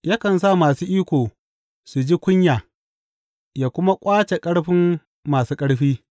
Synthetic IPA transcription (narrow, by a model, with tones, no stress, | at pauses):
jaː˦kɐ˨ns̬a˦˨maː˨suː˦ʔiː˦kʷoː˨ | su˨d͡ʒi˦kʷʊ˦ɲjaː˨ | jaː˨kʷʊ˦ma˦kʷʼaː˦t͡ʃe˨kʼɐ˦ɽɸɪ˦mː | aː˨suː˦kʼɐ˦ɽɸiː˦